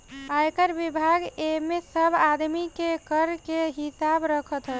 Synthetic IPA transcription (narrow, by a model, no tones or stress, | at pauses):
ajkəɾbibʱaɡemesəbʱad̪mikekəɾkeɦisabɾəkʰət̪ɦə